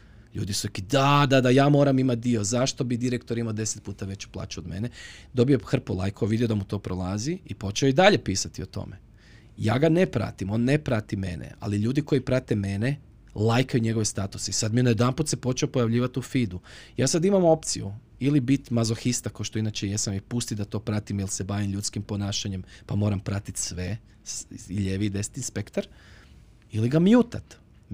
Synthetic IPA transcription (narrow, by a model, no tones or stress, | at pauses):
ʎṵːd̪isuɾikid̪ad̪ad̪ajaːmo̞ːɾamimat̪̚d̪io̞zaʃt̪o̞bid̪iɾekt̪o̞ɾimaod̪e̞set̪̚puːt̪aʋe̞t͡ɕu̥plˠa̰ːt͡ɕuod̪me̞̰ned̪o̞bijo̞xr̩polˠa̰jkʰoʋid̪ijo̞d̪amut̪o̞ːpɾolˠaziipo̞t͡ʃeoid̪aʎe̞piːsat̪io̞t̪o̰me | ja̰ːɡanepɾa̰t̪imo̞ːnːepɾat̪ime̞̰nḛa̰liʎuːd̪iko̞jipɾat̪eme̞ne | lˠajkajuɲe̞ɡo̞ʋest̪at̪usisad̪mijnajed̪amput̪sepo̞t͡ʃeopo̞jaʋʎiːʋat̪ufid̪ujaːsad̪imamo̞p̚t̪sijṵ | ilibit̪mazoxist̪akaoʃt̪o̞inat͡ɕejesamjipust̪id̪at̪o̞pɾat̪imilˠse̞baːʋimʎut̪skimpo̞naːʃaɲe̞mpamo̞ːɾampɾat̪it̪sʋe̞ | siʎeʋid̪est̪inspekt̪aɾ | iliɡamjuːt̪a̰t̪